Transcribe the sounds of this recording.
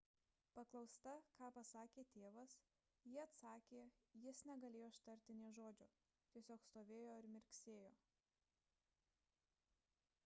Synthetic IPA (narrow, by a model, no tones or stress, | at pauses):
pɐklˠɒʊst̪ɐkɑːpɐsɑːkʲeːt̪ʲeːʋɐs | jiːɐt̪sɑːkʲeːjɪsnʲɛɡɐlʲeːjoɪʃt̪ɐɾʲt̪ʲɪnʲeːʒoːd͡ʒʲoː | t̪ʲiɛsʲoːkst̪oːʋʲeːjoːɪɾmʲɪɾʲksʲeːjoː